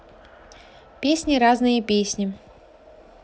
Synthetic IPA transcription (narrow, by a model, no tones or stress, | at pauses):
pʲesʲnʲɪɾaznɨjəpʲesʲnʲɪ